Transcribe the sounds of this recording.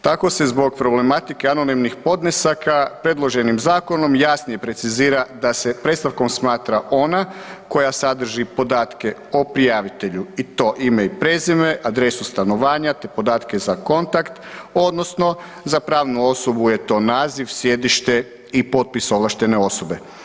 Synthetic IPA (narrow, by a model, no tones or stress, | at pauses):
t̪ako̞se̞zbo̞ɡ̚pɾo̞ble̞mat̪ike̞ano̞nimnixpo̞d̪nesakapɾed̪lˠo̞ʒe̞nimzaːko̞no̞mjasnijepɾe̞t̪siziːɾad̪ase̞pɾet̪st̪aʋkomsmaːt̪ɾaʔo̞nako̞jasad̪r̩ʒipo̞d̪aːt̪ke̞opɾijaʋit̪e̞ʎuit̪o̞ːʔimeipɾe̞zimeʔad̪ɾe̞sust̪ano̞ʋaːɲat̪e̞po̞d̪aːt̪ke̞zako̞nt̪akt̪o̞d̪no̞sno̞ | zapɾaːʋnuo̞so̞buje̞t̪o̞ːnaːziʋsje̞d̪iʃt̪e̞ | ipo̞t̪̚piso̞ʋlˠaʃt̪e̞ne̞o̞so̞be̞